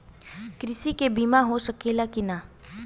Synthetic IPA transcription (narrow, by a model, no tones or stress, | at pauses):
kɾɪsikebiːmaɦosəkelakina